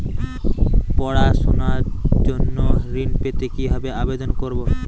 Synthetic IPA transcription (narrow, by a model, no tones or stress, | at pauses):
pɔɽaʃonaɾd͡ʑonːoɾinpet̪ekibʱabeabed̪onkoɾbo